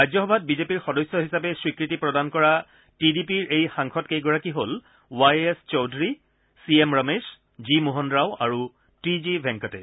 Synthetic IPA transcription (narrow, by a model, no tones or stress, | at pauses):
ajd͡ʑzɔxɔbʱat̚bizepiɹxɔdɔjsjɔɦisapɛswikɹitipɹɔdankɔɹa | tidipiɹʔejxãŋkʰɔtkejɡɔɹakiɦol | wajest͡ʃɔwdɹi | siemɹames | zimuɦɔndɹawaɹu | tizibʱɛŋkɔtɛ